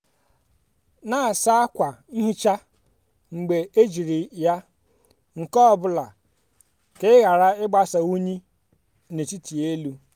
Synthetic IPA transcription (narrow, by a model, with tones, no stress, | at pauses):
na˦a˨sa˦a˦kʷa˨ni˦ɦi˦t͡ʃa˦ | ŋ͡m̩˨ɡ͡be˨e˦d͡ʒi˨ɾi˨ja˦ | ŋ̩˨kɔ˦˨bʊ˦la˨ | ke˦ɣa˨ɾa˦ɪ˦ɡ͡ba˦sa˨u˦ɲi˦ | ne˨t͡ʃi˦ti˨e˦lu˦